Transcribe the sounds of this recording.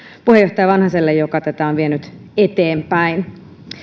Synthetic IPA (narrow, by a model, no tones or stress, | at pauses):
puhejot̪ɑjɑʋɑnhɑselːejjokɑt̪æt̪æonʋienyt̪ | et̪eːmpæin